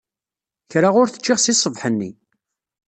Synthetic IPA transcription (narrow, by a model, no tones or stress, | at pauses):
çɾaʁʊɾθə̥t͡ʃːɪʁsisˤəvħənːḭ